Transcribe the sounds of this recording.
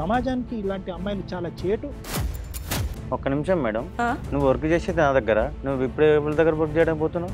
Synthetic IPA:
ɐmaːd͡ʒaːnikiːlaːɳʈiɐmːɐjɐlut͡ʃaːlaːt͡ʃeːʈu | ɔkɐnimʂɐmːɛːɽɐmnuʋːʋɐɾkut͡ʃeːseːd̪enaːd̪ɐɡːɐɾanuʋːuipːuɽpːɐɭɐd̪ɐɡːɐɾɐʋɐɾkut͡ʃɛjɐɽɐmkpoːt̪unːa

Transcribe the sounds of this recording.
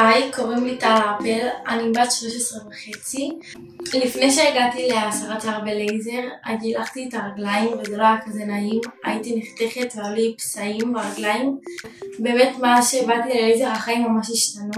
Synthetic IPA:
ajko̞ʁimlitapelanibat̪ʃlo̞ʃesʁevaχe̞t͡si | lifnejʃeːɡatileasaʁat͡saʁbelejze̞ʁatilaχtietaʁaɡlajimvedolaakazenaima̰jitiniχteχetvealipsaimbeʁaɡlaimbe̞ːme̞tmaʃeːbatilelejze̞ʁhaχaimːamaʃiʃtanu

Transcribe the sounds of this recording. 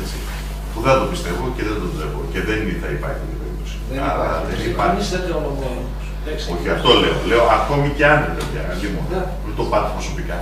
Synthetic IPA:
et͡si | puðeɐd̪opist̪e̞vo̞ceðend̪oe̞voce̞ðeniθɐipɐ̰ɾçit̪it̪iɐpeɾip̚t̪osi̥ | ɐɾɐðeiɐiseteonomon | s | ɐso̞çiɐft̪o̞le̞ole̞o̞ʔɐko̞miceɐnevevʝɐɐimon | t̪o̞pɐt̪e̥pɾo̞sopikɐ

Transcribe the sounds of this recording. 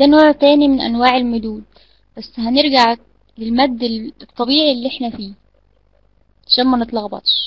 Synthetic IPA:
d̪æːnoːʕt̪æːnimɪnʔæ̰nwaːʕelmʊd̪uːd̪ | bæsːɦæneɾɡaʕ | lelmæd̪ːt̪ˤːɑbiːʕilːiʔeħnæfiː | aʃæːnmænɨt̪ˤlɑɣbɑ̰t̪ˤʃ

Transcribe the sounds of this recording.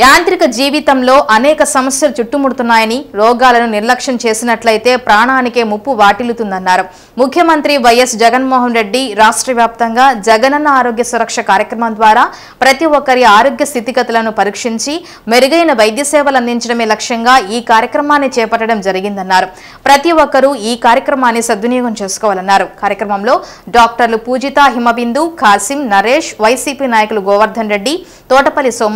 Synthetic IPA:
jaːnt̪ɾikɐd͡ʒiːʋit̪ɐmlo̞ːʔɐnɛːkɐsɐmɐsjɐlut͡ʃuʈːumuɽut̪unːaːjɐniɾɔːɡaːlɐnuniɾlɐkʂɐnɐt͡ʃe̞ːsinɐʈlɐjt̪e̞ːpɾaːɳaːnike̞ːmupːuʋaːʈilut̪und̪ɐnːaːɾu | mukʰːjɐmɐnt̪ɾiʋɐjɐsd͡ʒɛɡɐnmɔːɦɐnɾe̞ɖːiɾaːʂʈɾɐʋjaːp̚t̪ɐŋɡaːd͡ʒɛɡɐnɐnːɐaːɾo̞ːɡjɐsuɾɐkʂɐkaːɾjɐkɾɐmɐmd̪ʋaːɾaː | pɾɐt̪iʋɔkːɐɾiaːɾoːɡjɐst̪ʰit̪iɡɐt̪ɐlɐnupɐɾikʂiɲt͡ʃi | meɾuɡɐjnɐʋɐjd̪jɐsɛːʋɐlɐnd̪iɲt͡ʃɐɽɐmeːlɐkʂɐŋɡaːiːkaːɾjɐkɾɐmaːnːit͡ʃɛːpɐʈːɐɽɐmd͡ʒɐɾiɡind̪ɐnːaːɾu | pɾɐt̪iʋɔkːɐɾuiːkaːɾjɐkɾɐmaːnːisɐd̪ʋunijɔːɡɐmt͡ʃe̞ːsu̥kɔːʋalɐnːaːɾukaːɾjɐkɾɐmɐmlo̞ː | ɖaːk̚ʈɐɾlupuːd͡ʒit̪aːɦimɐʋind̪ukʰaːsimnɐɾeːʂʋɐjsiːpiːnaːjɐkuluɡɔːʋɐɾd̪ʱɐnɾe̞ɖːi | t̪ɔːʈɐpɐlisɔːm

